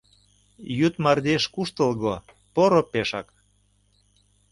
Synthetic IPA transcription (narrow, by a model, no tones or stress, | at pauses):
jyt̪mɑrd̪eʃkuʃt̪ə̆lɣo | poɾopeʃɑk